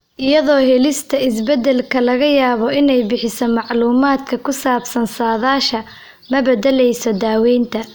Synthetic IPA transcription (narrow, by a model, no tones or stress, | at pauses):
ʔɪjɐðɔːɦɛlɪst̪ʰɐɪsbɛd̪ɛlkʰɐlɐɣɐjaːβɔʔɪnɛjbɪħɪsɔmɑʕluːmaːd̪kʰɐkʰʊsaːbsɐnsaːðaːʃɐ | mɐbɛd̪ɛlɛjsɔd̪aːwɛjnt̪ʰɐ